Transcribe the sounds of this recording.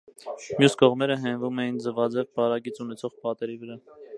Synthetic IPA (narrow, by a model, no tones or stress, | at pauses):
mjuskɔʁmɛɾəɦɛnvumɛjind͡zəvɑd͡zɛvbɑɾɑɡit͡sunɛt͡sʰɔʁpɑt̪ɛɾivəɾɑ